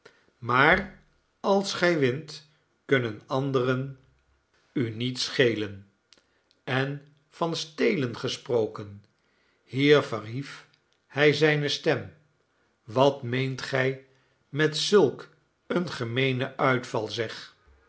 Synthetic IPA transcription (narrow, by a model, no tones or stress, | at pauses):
maːr | ɑlˠsχɛjʋɪnt | kɵnənɑndərən | ynitsχejlən | ɛn | fɑnstejlənχəsprowkən | hiːɹvərɦif | hɛjzɛjnəstɛm | ʋɑtmejntχɛj | mɛtsɵlˠk | ənχəmejnəʔœɥtfɑlˠzɛχ